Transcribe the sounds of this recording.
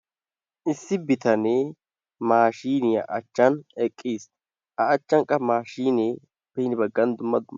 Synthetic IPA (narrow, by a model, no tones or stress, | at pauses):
ʔɪsːɪbɪt̪ɐne | maːʃiːnɪjɐ̰ʔɐt͡ʃːɐnɛkʼːiːs | ʔɐɐt͡ʃːɐŋkʼːɐmaːʃiːneː | b̥ɛnɪbɐɡːɐnd̪ʊmːɐd̪ʊmːɐ